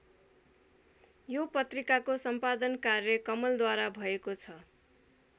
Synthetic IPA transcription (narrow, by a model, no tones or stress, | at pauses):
jopʌt̪rikakosʌmpad̪ʌnkarjʌkʌmʌld̪waɾabʱʌekot͡sʰʌ